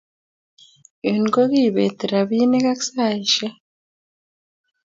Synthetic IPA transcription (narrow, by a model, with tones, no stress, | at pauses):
inɡo˦ɣiβeː˨te˨ɾa˨βiːne˦ka˦ksa˦iʃe˦